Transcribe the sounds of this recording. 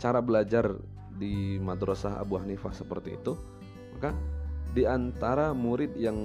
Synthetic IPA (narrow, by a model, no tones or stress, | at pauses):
t͡ʃaɾabəlad͡ʒar | dimad̪ɾosaɦa̰buahnifahsəpərt̪ḭːt̪u | makadiant̪aɾamuɾɪt̪̚jaŋ